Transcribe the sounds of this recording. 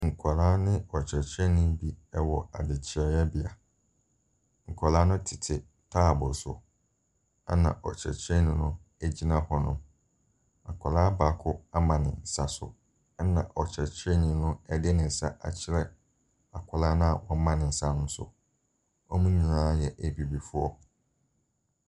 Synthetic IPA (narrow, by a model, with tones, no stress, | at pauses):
ŋ̩˨kʷʰɔ˨laː˦nɪ̃˦ɔ˨t͡ɕʰɛ˨t͡ɕʰɛ˦nĩ˦bi˦ɛ˦wɔ˨a̰˨dɪ˨t͡ɕʰɪ˨˦ɾɛ˦jɛ˦bɪ˨a˨ | ŋ̩˨kʷʰɔ˨la˦nʊ̃˦tʰɪ̥˨tʰɪ˨ | tʰaː˦˨bɔ˨sʊ̰˨ | a˦nã̰˨ʔɔ̰˨t͡ɕʰɾɛ̰˨t͡ɕʰɾɛ˦nɪ̃˨nʊ̃˦ | æ˦d͡ʑi˦nã˦hɔ˦nʊ̃˦ | a˨kʰʷɔ˨laː˦baː˨˦kʰʊ˦a˦mã˨nɪ̰̃˨n̩˨sa˦sʊ̰˨˦ | nã̰˨ʔɔ˨t͡ɕʰɾɛ˨t͡ɕʰɪ˦ɛ˦nĩ˨˦nʊ̃˦ɛ˦dɪ˦nɪ̃˨n̩˨sa˦ʔa̰˨t͡ɕʰɪ˦ɾɛ˦ | a˨kʷʰɔ˨la˦nʊ̃˦a˨wɔ̃˦mã˦nɪ̃˨n̩˨sa˦nʊ̃˦m˦sʊ̰˨ | ɔ˦mũ˦ɲĩ˨nãː˦jɛ˨ʔæ˨bi˨bi˨fʊ˦ɔ˦